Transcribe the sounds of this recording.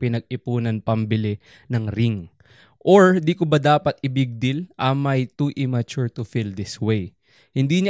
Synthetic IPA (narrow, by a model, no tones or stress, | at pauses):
pɪnɐɡ̚ɪpuːnɐnpɐmbɪlɛ | nɐŋɾɪŋ | ʔoɹd̪ikʊbɐd̪aːpɐt̪̚ɪbɪɡ̚d̪ɪlʔɐmɐjt̪uʔɪmɐt͡ʃʊɹt̪ʊfild̪ɪswej | hɪnd̪iːɲa